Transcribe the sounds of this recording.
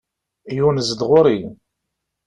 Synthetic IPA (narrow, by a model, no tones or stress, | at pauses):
junəzəd̪ʁʊɾi